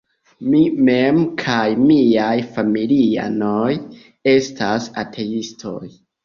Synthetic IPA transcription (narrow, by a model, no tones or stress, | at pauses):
mime̞mkʰajmiajfamilia̰no̞j | e̞stʰasatʰe̞istʰo̞̰j